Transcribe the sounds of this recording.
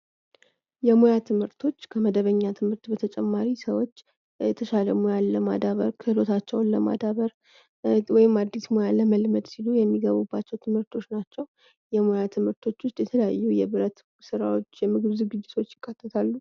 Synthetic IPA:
jɛmojat̪ʰɨmhɨɾt̪ʰo̞t͡ʃːkʰəməd̪əβəɲːat̪ʰɨmhɨɾt̪bət̪ʰət͡ʃʼɛmːaɾisəwo̞t͡ʃː | jɛt̪ʰəʃaləmojanːəma̰d̪aβə̰ɾkʰɨhlo̞t̪ʰat͡ʃːɛwnləma̰d̪aβəɾ | wɔjɪmad̪ːismo̞jaləməlməd̪silujɛmːiɡəβubːat͡ʃːɛwt̪ʰɨmhɨɾt̪ʰo̞t͡ʃːnat͡ʃːɛw | jɛmo̞jat̪ʰɨmhɨɾt̪ʰo̞t͡ʃːwʊst̪ʼjɛt̪ʰələja̰jːujɛβɨɾət̪ | sɨɾawo̞t͡ʃːjɛmɨɡɨβzuɡɨd͡ʒːɪt̪ʰo̞t͡ʃːjɪkʼːat̪ʰʼːət̪ʰalːu

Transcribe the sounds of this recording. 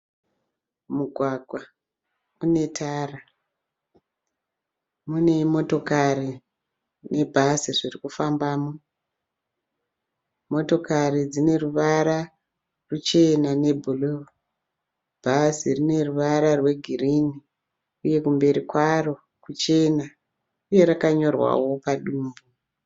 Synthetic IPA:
muɡʱwaɡʱwa | une̞tʰaːra | mune̞mo̞to̞kari | ne̞bʱasiʐirikufambaːmo | mo̞to̞karid͡zine̞ruʋaɾa | rut͡ʃe̞nane̞bʱulu | bʱasirine̞ruʋaɾarwe̞ɡʱirini | uje̞kumbe̞ɾikwaro̞ | kut͡ʃe̞na | uje̞ɾakaɲo̞rwa̰wo̞paɗuːmbu

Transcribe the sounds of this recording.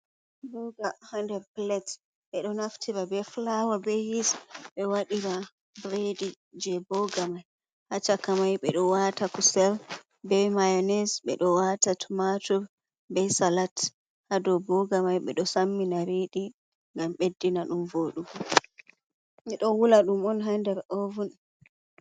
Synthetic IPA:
bɔɡahandɛɾplɛt | ɓɛɗɔnaftʰiɾabɛflawabɛhisɓɛwaɗiɾa | bɾedi | d͡ʒɛbɔɡamaj | hat͡ʃakamajɓɛɗɔwatakusɛl | bɛmajɔnɛsɓɛ̰ɗɔwatatʰumatuɾ | bɛsalat | hadɔbɔɡamajɓɛ̰ɗɔsamːinaɾeɗi | ŋɡamɓedːinaɗumvoɗum | miɗɔwulaɗumɔnɦandɛɾovun

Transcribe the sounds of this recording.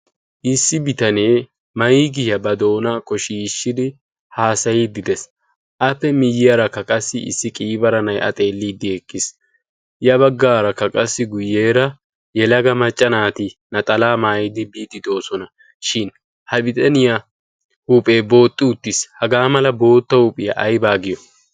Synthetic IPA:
ʔɪsːɪbɪt̪ɐne̞ː | mɐjiɡɪɐbɐd̪o̞ːnɐkɔʃiːʃːɪd̪ɪ | haːsɐjɪd̪ɪd̪ɛs | ʔɐpːɛmɪjːɪjɐɾɐkːɐkʼɐsːɪɪ̰sːɪkʼiːbɐɾɐnɐjɐ̰t̪ʼe̞ːlːiːd̪ɪɛkʼːɪs | jɐβɐɡːaːɾɐkːɐkʼɐsːɪɡʊjːe̞ːɾɐ | jɛlɐɡɐmɐt͡ʃʼːɐnaːt̪ɪnɐt̪ʼɐlaːmaːjɪd̪ɪbiːt̪ʼːɪd̪o̞ːsɔnɐ | ʃɪn | hɐbɪt̪ʼɐnɪja | hupʼe̞ːbo̞ːt̪ʼːɪʊt̪ːɪshɐɡaːmɐlɐbo̞ːt̪ːɐʊpʼːɪjɐʔɐjbaːɡɪjɔ

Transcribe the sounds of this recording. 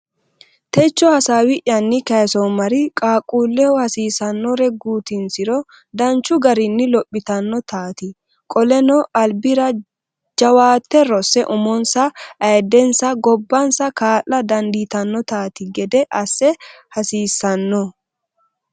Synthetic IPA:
t̪ɛt͡ʃːɔhɐsaːwɪʔjɐnːɪkɐjsɔmɐɾɪkʼaːkʼuːlːɛɔhɐsiːsɐnːɔɾɛɡuːt̪ɪnsɪɾɔ | d̪ɐnt͡ʃːʊɡɐɾɪnːɪlɔpʼːɪt̪ɐnːɔt̪aːt̪ɪ | kʼɔlɛnɔʔɐlbɪɾɐ | d͡ʒɐwaːt̪ːɛɾɔsɛʔʊmɔnsɐʔɐjd̪ɛnsɐɡɔbːɐnsɐkaːʔɐd̪ɐnd̪it̪ɐnːɔt̪aːt̪ɪɡɛd̪ɛʔɐsːɛhɐsiːsːɐnːɔ

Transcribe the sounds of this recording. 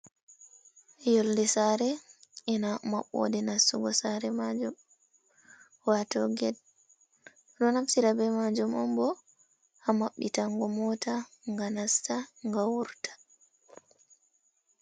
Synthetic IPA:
joldisaɾɛʔinama̰ɓːo̰dinasuɡɔsaɾɛmad͡ʒum | watɔɡɛd | dɔnafsiɾabɛmad͡ʒumʔɔ̰mbɔ | ʔamaɓːitaŋɡɔmɔta | ŋɡanastaŋɡawuɾtḁ

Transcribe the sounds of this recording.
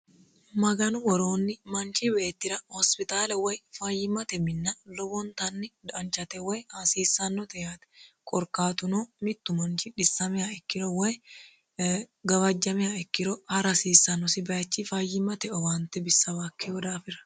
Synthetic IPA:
mɐɡɐnʊwɔɾoːnːɪmɐnt͡ʃiwe̞ːt̪ːɪɾɐhɔspɪt̪aːlɛwɐjfaːjɪmɐt̪ɛmɪnːɐlɔbɔnt̪ɐnːɪd̪ɐnt͡ʃɐt̪ɛwɛjhasiːsːɐnːɔt̪ɛjat̪ɛ̥kʼɔɾkaːt̪ʊnomɪt̪ːʊmɐnt͡ʃiᶑɪsːɐmɪaɛkːɪɾɔwɛɛ | ɡɐwɐd͡ʒːɐmɪjaɛkːɪɾɔhɐɾɐsiːsːɐnːɔsɪbɐɐt͡ʃːifajːɪmːɐt̪ɛɔwant̪ɛbɪsːɐwaːkʰːeɔd̪aːfɪɾɐ̥

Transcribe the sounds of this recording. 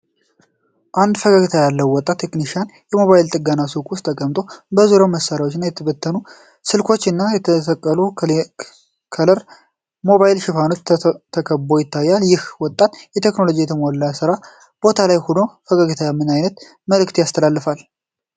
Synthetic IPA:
ʔand̪fəɡaɡɨt̪ʰajalːəwwːɔt̪ʼːat̪ʰːe̞kniʃianjɛmo̞βajilt̪ʼɨɡanasukʼwʊst̪ːʰəkʼəmt̪ʼo̞bəzuɾoməsːaɾawot͡ʃːnːajɛt̪ʰəβət̪ʰːənu | sɨlkʰo̞t͡ʃːɨnːajɛt̪ʰət̪ʰəkʼːəlu | kʰələɾ | mo̞βajilʃɪfano̞t͡ʃt̪ʰəkʰəbo̞jɪt̪ʰːajːaljɪhwɔt̪ʼːat̪jɛt̪ʰe̞kno̞lo̞d͡ʒijɛt̪ʰəmolːasɨɾa | b̥o̞t̪ʰalajhulofəɡʼaɡɨt̪ʰajamːɨnajnət̪ | məlɨkt̪jast̪ʰəlalːɨfal

